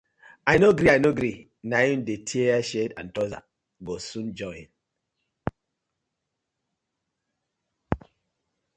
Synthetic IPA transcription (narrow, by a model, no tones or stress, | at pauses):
ajnoɡɾiajnoɡɾi | najũndetʰieaʃedã̰ntɔza̰ | ɡosũnd͡ʒɔĩn